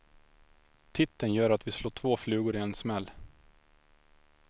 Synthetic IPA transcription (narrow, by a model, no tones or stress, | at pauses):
t̪ʰɪt̪ːənjœːɾat̪vɪsloːʈʰvoːflʉ̟ːɡʊɾɪɛnsmɛlː